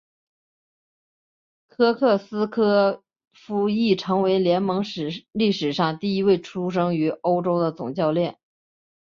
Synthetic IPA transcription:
kʰɤ˥kʰɤ˥˩sɹ̩˥kʰɤ˥ | fu˥i˥˩ʈ͡ʂʰɤ˧˥ŋwe˧˥ɪljɛ˧˥nmɤ˧˥ŋʂ̩˨˩li˥˩ʂɻ̩˨˩ʂɑ˥˧ŋt̪i˥˩i˧˥we˥˩ɪʈ͡ʂʰu˥ʂ̬ɤ˥ŋy˧˥ʔo˥ʊʈ͡ʂo˥ʊd̪ə˨t͡sʊ̰˨˩ŋt͡ɕjɑ˥˧ʊljɛ˥˩n

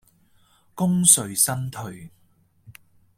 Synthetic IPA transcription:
kʊ˥ŋsɵ˨ɥsɐ˥nt̪ʰɵ˨ɥ

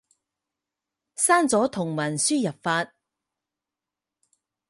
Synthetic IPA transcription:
saː˥nt͡sɔː˨˥t̪ʰʊ˨˩ŋwɐ˨˩nsyː˥jɐ˨˩p̚faː˧t̚

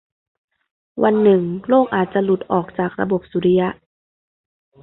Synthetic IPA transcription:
wa˧nːɯ˨˩ŋloː˥˩k̚ʔaː˨˩t̪̚t͡ɕa˨˩lu˨˩t̪̚ʔɔː˨˩k̚t͡ɕaː˨˩k̚ɾa̰˧bo˨˩p̚suː˨˦ɾi˧˥ja˧˥ʔ

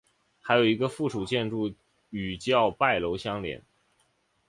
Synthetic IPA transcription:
xa˧˥ɪjo˨˩ʊi˧˥ɡə˧fu˥˩ʈ͡ʂʰu˨˩t͡ɕjɛ˥˧nʈ͡ʂu˥˩ | y˨˩t͡ɕjɑ˥˧ʊpa˥˩ɪlo˧˥ʊɕjɑ˥ŋljɛ̰˧˥n

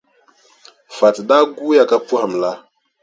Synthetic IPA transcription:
fa˨tɗa˦ɡu˦ja˦ka˦pu˦ha˨mla˦

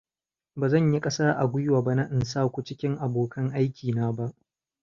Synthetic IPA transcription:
baː˨zɐ˦˨ɲji˦kʼɐ˦saː˦ʔa˨ɡʷʊ˦jwaː˨ba˦na˦ʔɪ˨nsaː˦kʷʊ˦t͡ʃɪ˦kʲɪ˦ŋʔa˨boː˨kʰɐ˦ŋʔa˦jkʲiː˨naː˦ba˦ʔ

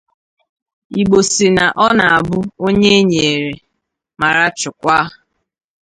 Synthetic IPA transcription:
i˨ɡ͡bo˨si˨na˨ʔɔ˦na˨a˨bʊ˦o˦ɲe˦ɲe˨e˨ɾe˨ | ma˨ɾa˦t͡ʃʊ˨kʷa˦˨

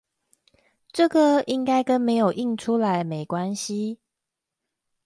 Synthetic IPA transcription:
ʈ͡ʂɤ˥˨ɡə˨i˦ŋka˥ɪkə˦˥nme˧˥ɪjo˨˩ʊʔi˥˩ŋʈ͡ʂʰu˦la˧˦ɪme˨˩ɪkwa˦nɕi˦

